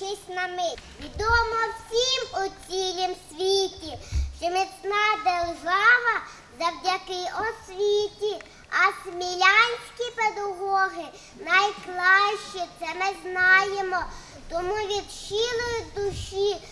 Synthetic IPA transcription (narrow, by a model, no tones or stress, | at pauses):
ɪsʲnɐmɪʋʲid̪ɔmɔwsʲimʊt͡sʲilʲimsʲʋʲitʲiʃt͡ʃɔmɪt͡sʲnɑd̪erʒɑʋɐ | zɐwdʲɐkɪʔɔsʲʋʲitʲi | ɐsmʲilʲanʲsʲkʲiped̪ɐɦɔɦɪ | nɐjklˠɑʃt͡ʃit̪sɛmɪznɑjemɔ | t̪ɔmuʋʲid̪ʃilˠɔjʊd̪ʊʃi